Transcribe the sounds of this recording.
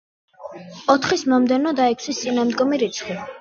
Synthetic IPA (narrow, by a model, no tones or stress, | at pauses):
ɔt̪ʰχismɔmd̪ɛnɔd̪aɛkʰsist̪sʼinamd̪ɡɔmiɾit̪sʰχwi